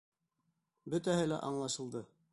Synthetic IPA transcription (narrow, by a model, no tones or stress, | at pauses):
bɵt̪æɦɘlæ̰ʔɑɴlˠɑʃɤ̆lˠd̪ɤ